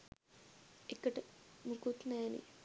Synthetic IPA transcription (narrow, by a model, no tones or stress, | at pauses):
ekːəʈmukut̪naːnḭ